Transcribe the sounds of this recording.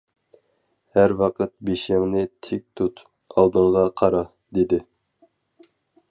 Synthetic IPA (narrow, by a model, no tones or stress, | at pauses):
hæɾwɑqʰət̪̚beʃɪŋnɪt̪ʰek̚ʲt̪ʰut̪ | ɑlˠd̪ɨŋʁɑqʰɑɾɑ | d̪ed̪ɪ